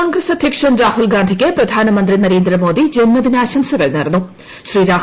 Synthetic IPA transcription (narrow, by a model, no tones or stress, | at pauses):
aːŋɡɾesɐd̪ʱjɐkʂɐnɾaːɦulɡaːnd̪ʱikʲːepɾɐd̪ʱaːnɐmɐnd̪ɾinɐɾeːnd̪ɾɐmo̞ːd̪id͡ʑenmɐd̪inaːɕɐmsɐɣɐɭnɐɾɐnːu | ʃriːɾaː